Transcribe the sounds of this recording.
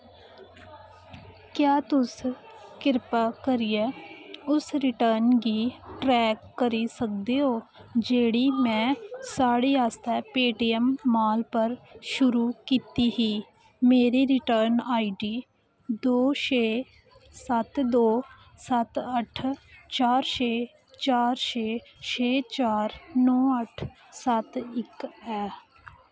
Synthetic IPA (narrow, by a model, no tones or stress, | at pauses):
kjaːt̪ʊs | kɪɾpakəɾijeʊsɾɪʈəːɾnkiʈɾɛːkːəɾisək̚d̪eɦoːd͡ʒeːɽimɛ̃ːsaːɽijaːst̪ɛpeːʈijəmːaːlpəɾʃʊɾukiːt̪iɦiː | meːɾiːɾɪʈəːɾnaːiɖiː | d̪oːʃeː | sət̪d̪oː | sət̪əʈʰt͡ʃaːɾt͡ʃeː | t͡ʃaːɾt͡ʃeːt͡ʃeːt͡ʃaːɾnɔːəʈʰ | sət̪ɪkɛː